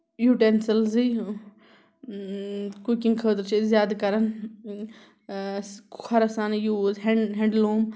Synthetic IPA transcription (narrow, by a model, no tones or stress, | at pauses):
juːʈensɐlzi | kukĩŋɡkʰəːt̪ɾt͡ʃʰezjaːd̪kɐɾɐn | ɐɾɐsanjuːzɦeɳɦẽɳɖloːm